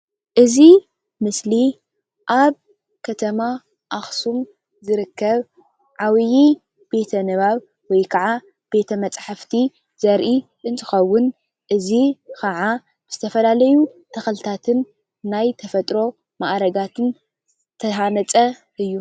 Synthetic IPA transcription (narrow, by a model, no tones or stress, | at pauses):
ʔɨzi | mɨsli | ʔaβ | kʰɐt̪ʰɐma | ʔaxsum | zɨɾɨkːɐβ | ʕawji | b̥e̞t̪ʰɐnɨβaβ | wɔjkʰɐʕa | b̥e̞t̪ʰɐmɐt͡sʼħaft̪ʰi | zɐɾʔi | ʔɨnt̪ʰɨxɐwːʊn | ʔɨzikʰɐʕa | b̥ɨz̥ɨt̪ʰɐfɐlalɐjut̪ʰɐxɐlt̪ʰat̪ʰɨnː | ajt̪ʰɐfɐt̪ʼɾo̞ | maʔɾɐɡat̪ʰɨn | t̪ʰɐɦanɐt͡sʼɐ | ʔɨjːu